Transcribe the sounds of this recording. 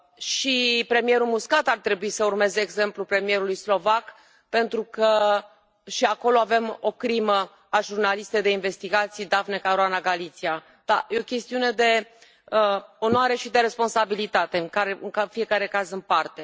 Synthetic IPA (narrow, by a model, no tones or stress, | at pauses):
ʃipɾe̞mije̞ɾumuskat̪art̪ɾe̞buisəurme̞zeːɡze̞mplupɾe̞mie̞ɾulujslo̞vak | pe̞nt̪ɾukə | ʃiako̞lo̞ave̞mo̞kɾimə | aʒurnalist̪e̞jd̪e̞inve̞st̪iɡat̪sijd̪avnekaɾoanaɡalit̪sia | d̪̥a̰jeo̞kʲe̞st̪iune̞d̪e̞ | o̞nowaɾe̞ʃid̪e̞ɾe̞spo̞nsabilit̪at̪e̞ŋkaɾeɨŋkafie̞kaɾe̞kazɨnpart̪e̞